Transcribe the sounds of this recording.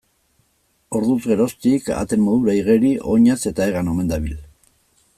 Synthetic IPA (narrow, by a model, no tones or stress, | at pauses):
o̞ɾðuzɣe̞ɾo̞st̪ika̰t̪e̞mmo̞ðuɾaiɣeɾiʔo̞ɲase̞t̪aeɣano̞me̞nd̪aβil